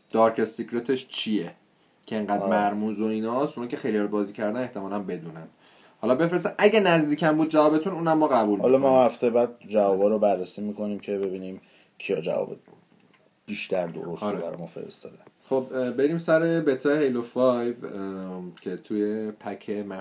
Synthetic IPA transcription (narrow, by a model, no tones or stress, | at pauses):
d̪̥ɒɾkʰesicɾet̪ʰeʃt͡ʃʰije | cʰeeŋɡæːd̪mæɾmuːzoiːnɒst͡ʃonɑcʰexejliɒɾbɒːziːcʰæɾd̪æne̞ht̪e̞mɒːlæmbe̞d̪uːnæm | hɒlɒːbefɾes̬t̪æmʔæɟænæzd̪iːcʰæmbuːd̪̚d͡ʒævɒːbe̞t̪ʰuːnuːnæmːɒːɣæbuːlhɒlɒmɒhæft̪ejebæːd̪̚d͡ʒævɒːbɒːɾobærːesiːmiːkʰo̞niːmcʰe̞be̞biːniːm | cʰijɒd͡ʒæ̰vɒ̰ːbḛ | b̥iːʃt̪æɾd̪o̰ɾosɾbæɾɔ̰jmɒːfeɾḛst̪ɒːd̪ænχobbe̞ɾiːmsæɾe̞bet̪ʰɒːehejlofɒjv | cʰet̪ʰujepʰæcʰemæ